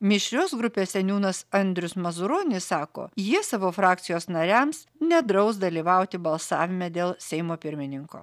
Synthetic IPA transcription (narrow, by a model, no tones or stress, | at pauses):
mʲɪʃʲɾʲoːsɡɾʊpʲeːsʲɛnʲuːnɐsɐnʲd̪ʲɾʲʊsmɐzʊɾoːnʲɪssɑːko̰ːjiɛsɑːʋoːfɾɑːk̚t̪sʲɪjoːsnɐɾʲæms | nʲɛd̪ɾɐʊsd̪ɐlʲiːʋɐˑʊt̪ʲɪbɐlˠsɑːʋʲɪmʲɛd̪ʲeːlˠsʲɛɪmoːpʲɪɾʲmʲɪnʲɪŋko̰ː